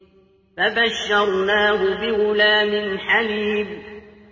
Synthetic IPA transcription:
fabaʃːɑɾˤnaːɦʊbɪɣʊlaːmɪnħaliːm

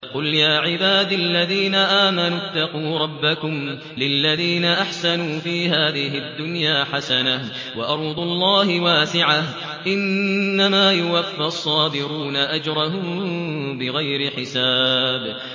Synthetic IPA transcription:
qʊljaːʕɪbaːd̪lːaðiːnaʔaːmanut̪ːɑquːɾˤɑbːakʊm | lɪlːaðiːnaʔaħsanuːfiːɦaːðɪɦɪʔd̪ːʊnjaːħasanah | wɑʔɑɾˤuːd̪ˤʊɑlˤːɑːhɪwaːsɪʕah | ʔɪnːamaːjʊwafːɪʔɑsˤːɑːd̪ɪɾuːnaʔad͡ʒɾˤɑɦʊmbɪɣajɾɪħɪsaːb

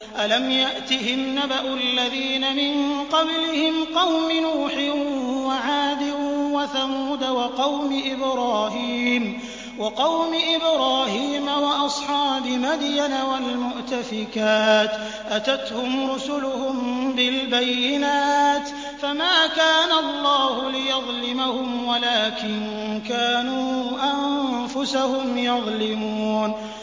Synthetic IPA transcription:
ʔalamjaʔt̪ɪhɪnːabaʔʊʔalːaðiːnamɪnqɑblɪhɪmqɑwmɪnuːħɪwaʕaːd̪ɪwaθamuːd̪awɑqɑwmɪʔɪbɾɑːhiːm | wɑqɑwmɪʔɪbɾɑːhiːmawɑʔɑsˤħɑːbɪmad̪janawalmʊʔt̪afɪkaːt̪ | ʔat̪at̪hʊmɾʊsʊlʊhʊmbɪlbajːɪnaːt̪ | famaːkaːnalˤːɑːhʊlɪjɑðˤlɪmahʊmwalaːkɪn | kaːnuːʔamfʊsahʊmjɑðˤlɪmuːn

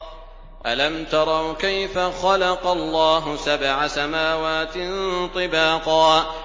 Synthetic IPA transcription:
ʔalamt̪ɑɾˤɑwkajfaxɑlɑqɑlˤːɑːɦʊsabʕasamaːwaːt̪ɪnt̪ˤɨbɑːqɑː

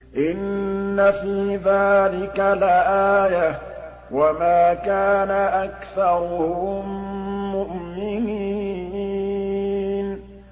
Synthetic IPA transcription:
ʔɪnːafiːðaːlɪkalʔaːja | wamaːkaːnaʔakθɑɾˤʊʊ | mʊʔmɪniː | n

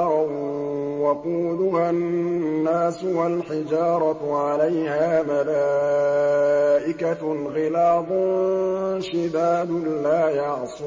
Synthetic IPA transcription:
ɾˤɑ | waquːdʊhannːaːsʊwalħɪd͡ʒɑːɾˤɑʕalajhaːmalaː | ʔɪkaɣɪlaːd̪ˤʊ | ʃɪd̪aːd̪laːjɑʕsˤɪ

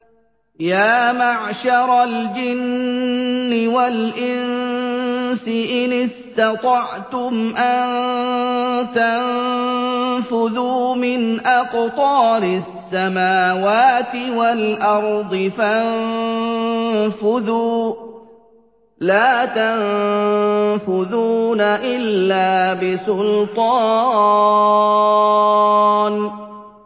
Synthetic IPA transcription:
jaːmaʕʃɑɾˤald͡ʒɪnː | ɪwalʔɪn | sɪʔɪnɪst̪ɑt̪ˤɑʕt̪ʊmʔan | t̪an | fʊðuːmɪnʔaqt̪ˤɑːɾɪsːamaːwaːt̪ɪwalʔɑɾˤd̪ˤɨfan | fʊðuː | laːt̪an | fʊðuːnaʔɪlːaːbɪsʊlt̪ˤɑ | n

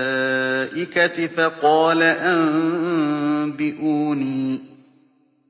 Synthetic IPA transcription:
ʔɪkat̪ɪfaqɔːlaʔan | biʔuːnĩ

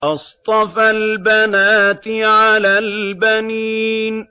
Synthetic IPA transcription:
ʔɑst̪ˤɑfalbanaːt̪ɪʕalaːlbaniːn

